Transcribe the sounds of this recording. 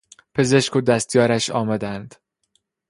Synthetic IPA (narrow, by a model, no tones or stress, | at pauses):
pʰe̞ze̞ʃkʰod̪æst̪jɒːɾæʃɒːmæd̪ænd̪̥